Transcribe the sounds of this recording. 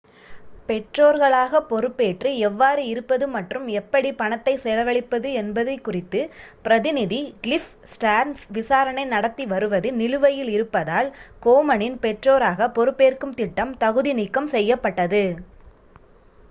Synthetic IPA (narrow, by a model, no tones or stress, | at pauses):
pɛʈroːɾɣɐɭaːɣɐpɔɾɯpːeːʈrɯɛʋːaːɾɯɪɾɯpːɐðɯmɐʈrɯmɛpːɐɽipɐɳɐt̪ːɐɪsɛlɐʋɐɭɪpːɐðɯɛnbɐðɐɪkːʊrɪt̪ːɯpɪɾɐðɪnɪðiɡɪlɪf | sʈaːɾnsʋɪsaːɾɐɳɐɪnɐɽɐt̪ːiʋɐɾɯʋɐðɯnɪlɯʋɐjɪlɪɾɯpːɐðaːlkoːmɐnɪnpɛʈroːɾaːɣɐpɔɾɯpːeːrkɯmt̪ɪʈːɐmt̪ɐɣɯðinɪkːɐmsɛjːɐpːɐʈːɐðɯ